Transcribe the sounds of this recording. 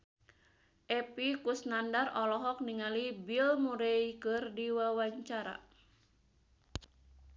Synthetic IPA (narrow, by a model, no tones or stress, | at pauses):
ʔɛpikusnandarɔlɔɦɔk̚niŋalibilmuɾɛjkɨrdiwawaɲt͡ʃaɾa̰